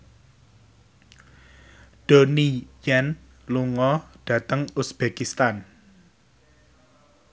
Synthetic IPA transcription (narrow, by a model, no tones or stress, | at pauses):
ɖ̥onijɛn | luŋɔɖ̥ä̤t̪əŋusb̥ekist̪an